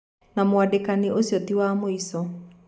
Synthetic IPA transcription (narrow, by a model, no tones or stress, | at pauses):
namoadekaniʔosjɔt̪iwaːmoisɔ